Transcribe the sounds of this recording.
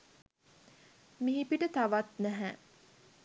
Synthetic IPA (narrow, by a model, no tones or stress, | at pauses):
miɦipiʈət̪aʋat̪næɦæ